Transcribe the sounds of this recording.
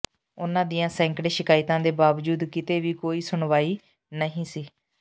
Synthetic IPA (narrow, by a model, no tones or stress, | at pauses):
ʊnãːd̪ijãːsɛ̃ːŋkɽeːʃɪkaːɪt̪ãːd̪eːbaːʋd͡ʒuːd̪kɪt̪eːʋiːkoːiːsʊɳʋaːiː | nəɦĩːsiː